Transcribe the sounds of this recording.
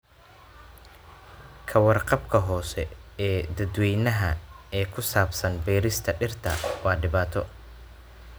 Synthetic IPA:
kʰɐwɑrqɑbkʰɐɦɔːsɛɛːd̪ɐd̪wɛjnɐɦɐɛːkʰʊsaːbsɐnbɛːɾɪst̪ʰɐɖɪrt̪ʰɐ̰wɑːɖɪβaːt̪ʰɔ

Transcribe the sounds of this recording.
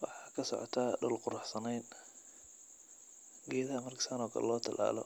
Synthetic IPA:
wɑħɑːkʰɐsɔ̰ʕɔ̰t̪ʰaːɖɔlqʊɾʊħsɐnɛjn | ɡɛːðɐmɐrkʰɪ̥saːnɔːkʰɐ̰l̰lɔːt̪ʰɐlʔa̰ːlɔ̰

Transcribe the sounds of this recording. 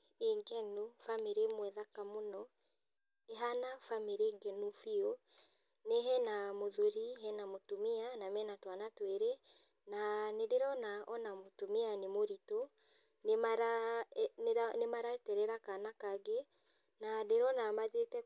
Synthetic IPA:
eŋɡɛnufameɾemwɛðakamonɔ | eɦanafameɾeŋɡɛnufio | neɦɛnamoðuɾiɦɛnamotomianamɛnatwanatweɾe | nanedeɾɔnaɔnamotomianemoɾito | nmaɾa | nemaɾaɛtɛɾɛɾakanakaɡe | nadeɾɔnamaðetɛ

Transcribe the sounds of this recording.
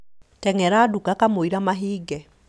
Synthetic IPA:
tɛŋɛɾadukakamoiɾamaɦiːɡɛ

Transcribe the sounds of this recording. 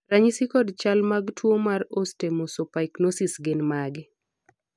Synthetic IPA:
raɲisikɔdt͡ʃalmaɡtʰwomarostemosopaiknosisɡɪnmaɡɪ

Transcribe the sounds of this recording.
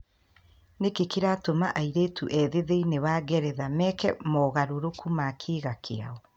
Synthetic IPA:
nekekeɾatomaʔaiɾeːtʰuʔɛðeðeinewaɣɛɾɛðamɛkɛmɔɣaɾoɾokʰumakʰeːɣakʰea̰ɔ

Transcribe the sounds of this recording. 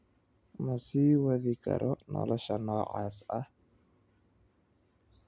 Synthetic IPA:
mɐsiːwɐðɪkʰɐ̰ɾɔnɔ̰lɔʃɐnɔːʕɑːsɐh

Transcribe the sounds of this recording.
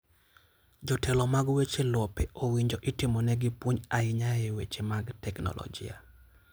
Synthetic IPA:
d͡ʒɔtʰɛlɔmaɡwet͡ʃelɔpeowiɲd͡ʒoʔɪtimonɛɡɪpwuɲaɪɲaewet͡ʃemaɡtɛknɔ̰lɔ̰d͡ʒḭa̰

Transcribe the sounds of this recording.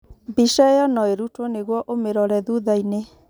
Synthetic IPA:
biʃɛjɔnɔeɾutɔneɣwɔʔomeɾɔɾɛðuðaine

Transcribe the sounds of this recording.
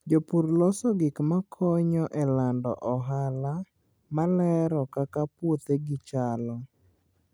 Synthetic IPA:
d͡ʒopuɾlɔsɔɡɪkmakʰɔɲɔʔɛlandɔ̰ʔɔɦala | malɛɾɔkakapwot̪eɡɪt͡ʃalɔ

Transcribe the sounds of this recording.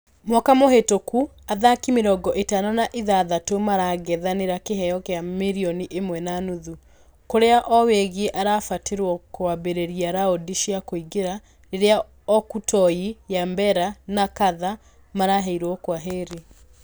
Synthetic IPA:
mwakamoɦetoku | aðakimeɾɔɡɔʔetanɔnaʔiðaðatomaɾaɣɛðaneɾakeɦɛjɔkeamiɾiɔniʔemwɛnanuðu | koɾeaʔɔweɣeʔaɾafateɾwɔkoabeɾeɾiaɾaodiʃiakoiɡeɾa | neɾea | ɔkutʰɔijambɛɾanakaða | maɾaɦɛiɾwɔkwaɦeːɾe

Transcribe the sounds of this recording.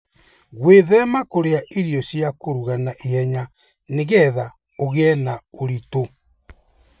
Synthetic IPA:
ɣweðɛmakoɾeaʔiɾijɔsjakoɾuɣanaʔihɛɲa | neɣɛða | oɣeɛnaoɾito

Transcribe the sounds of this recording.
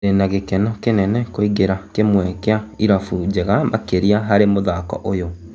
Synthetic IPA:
enaɣekɛnɔkenɛnɛkoiɣeɾakemwɛkeaiɾafud͡ʒeɣamakeɾiaɦaɾemoðakɔ̰ʔojo

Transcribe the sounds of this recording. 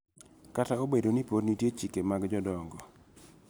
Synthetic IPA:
kataobedonipodnitjet͡ʃikemaɡd͡ʒɔdɔŋɡɔ

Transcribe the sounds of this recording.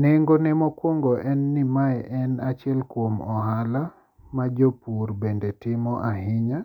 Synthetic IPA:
neŋɡonemɔkwoŋɡɔʔɛnːimaɛʔɛnat͡ʃjɛlkwomɔɦala | mad͡ʒopurbendetɪmɔʔaɦɪɲa

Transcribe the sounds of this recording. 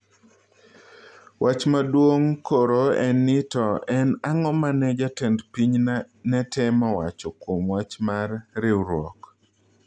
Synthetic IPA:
wʔat͡ʃmadwoŋkoɾoɛnɪtɔɛnaŋɔmanɛd͡ʒatɛndpiɲ | nɛtʰɛmawat͡ʃɔkwomwat͡ʃmarɾɪwɾwɔ̰k

